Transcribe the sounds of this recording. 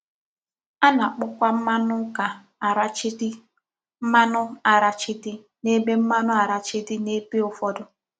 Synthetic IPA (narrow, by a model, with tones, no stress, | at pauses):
a˦na˨k͡pʊ˦kʷa˦m̩˦ma˦nʊ˦ka˨ | ɾa˦˨t͡ʃɪ˦d | m̩˦ma˦nʊ˦a˨ɾa˨t͡ʃɪ˦dɪ˦ | ne˦be˦m̩˦ma˦nʊ˦a˨ɾa˨t͡ʃɪ˦dɪ˦ne˦pi˦ʊ˨fɔ˦dʊ˦